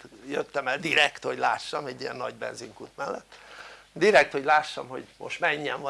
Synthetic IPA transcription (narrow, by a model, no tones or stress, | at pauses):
jøt̪ːɛmɛld̪iɾɛkt̪hoɟla̰ːʃːɒmɛɟːijɛnːɒɟbɛ̰nziŋkut̪mɛlːɛt̪ː | d̪iɾɛk̚t̪ho̞ɟlaːʃːɒmho̞̰ɟmo̰ʃt̪mɛɲːɛɱvɒ